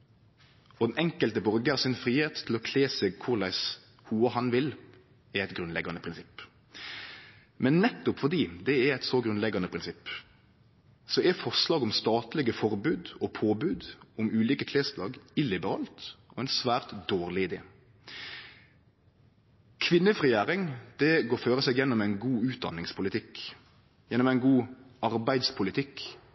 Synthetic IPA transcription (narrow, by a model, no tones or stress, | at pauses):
ɔd̪ɛnɛŋkəlt̪əbɔɾɡəɑɾsɪnfɾiːheːt̪ʰːɪlɔkʰleːsɛɡkʰʊɾlæɪs | huːəhɑnʋɪl | ɛɾɛɪt̪ɡɾʉnlɛɡɑnəpʰɾɪnsɪpː | mɛnːɛt̪ːʊpfɔd̪iːd̪ɛɛɛɪt̪sɔɡɾʉnlɛɡɑnəpʰɾɪnsɪpː | sɔɛfɔʂlɑːɡʊmst̪ɑːt̪lɛɡəfɔɾbʉːd̪ɔpʰoːbʉːd̪ʊmʉːliːkəkʰleːst̪lɑːɡɪlɪbəɾɑːlt̪ɔæɪnsʋæːʁt̪d̪oːʁlɪd̪eː | kʰʋɪnːəfʁɪjæːɾɪŋd̪ɛɡoːføːʁəsɛɡjɛnːɔmæɪnɡuːʉːt̪̚d̪ɑ̰nːɪŋspʰʊlɪt̪ʰɪk | jɛnːɔmæɪnɡuːɑɾbæɪd̪spʰʊlɪt̪ʰɪk